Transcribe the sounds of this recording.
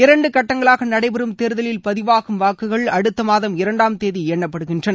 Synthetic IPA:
ɪɾɐɳɖɯkɐʈːɐŋɡɐɭaːɣɐnɐɽɐɪpɐɾɯmt̪eːɾɯðɐlɪlpɐðɪʋaːɣɯmʋaːkːɯɣɐɭɐɽɯt̪ːɐmaːðɐmɪɾɐɳɖaːmt̪eːðiɛɳːɐpːɐɽɯɣɪndrɐnɐ

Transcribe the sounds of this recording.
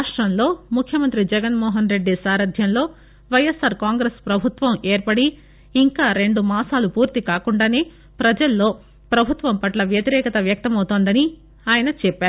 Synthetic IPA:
aːʂʈɾɐmlo̞ːmukʰjɐmɐnt̪ɾid͡ʒɛɡɐnmɔːɦɐnɾe̞ɖːisaːɾɐd̪ʱjɐnlo̞ː | ʋɐjesːaːɾkaːŋɡɾeːspɾɐbʱut̪ʋɐmeːɾpɐɽiː | ŋkaːɾe̞ɳɖumaːsaːlupuːɾt̪ikaːkuɳɖaːne̞ː | pɾɐd͡ʒɐlːo̞ː | pɾɐbʱut̪ʋɐmpɐʈlɐʋjɐt̪iɾɛːkɐt̪ɐʋjɐk̚t̪ɐmɐwut̪oːnd̪ɐni | aːjɐnɐt͡ʃɛpːaːɾu

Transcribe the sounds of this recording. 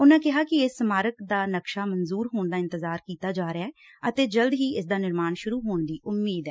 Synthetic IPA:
ʊnãːkɪɦaːkɪɪsːəmaːɾəkd̪aːnəkʃaːmənzuːɾɦoːɳd̪aːɪ̃nt̪əzaːɾkiːt̪aːd͡ʒaːɾeaːɛː | ət̪eːd͡ʒəld̪ɦiːʔɪs̬d̪aːnɪɾmaːnʃʊɾuːɦoːɳd̪iːʔʊmːiːd̪ɛː

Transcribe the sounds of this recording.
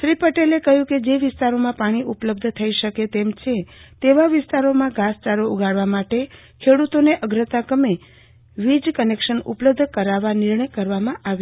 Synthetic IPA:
ʃɾipəʈelekəɦjũked͡ʒeʋɪst̪aɾomãpaɽ̃iʔupləb̚d̪ʱt̪ʰəiʃəket̪emt͡ʃʰet̪eʋaʋɪst̪aɾomãɡast͡ʃaɾouɡʱaɽʋamaʈe | kʰeɽut̪oneʔəɡɾət̪akəme | ʋid͡ʒkənekʃənʊ̰pləb̚d̪ʱkəɾaʋanɪɾɳəjkəɾʋamãʔaʋ

